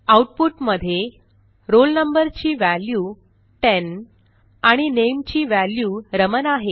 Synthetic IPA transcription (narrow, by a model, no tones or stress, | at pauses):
auʈ̚puʈməd̪ʱje | ɾolnəmbəɾt͡ɕiːʋæljuː | ʈen | aɽ̃inemt͡ɕiːʋæljuːɾəmənaɦe